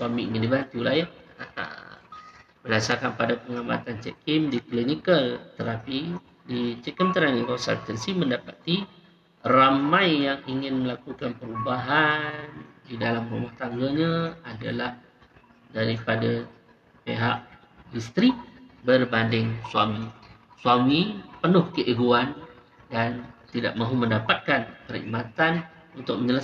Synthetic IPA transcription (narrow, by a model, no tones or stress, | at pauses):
swamiʔiŋɪndibant̪ulahja̰ | bəlasakanpadapəŋama̰t̪ant͡ʃɛ̰ʔkimdiklinikəlt̪əɾapi | dit͡ʃɛkəmt̪əɾaŋikɔnsa̰lt̪ənsimə̃ndapat̪i | ramãjːaŋiŋɪnməlakukanpəɾubaɦandidalamɾumaht̪aŋɡaɲaada̰lah | daɾipada | pḛɦaʔ | bist̪ɾibərbandɪŋswamiswamipənʊhkəʔiɡuan | dant̪ida̰ʔ̚mãɦumə̃ndapat̪̚kanpəɾḭmat̪an | unt̪ʊk̚mə̃ɲd͡ʒəla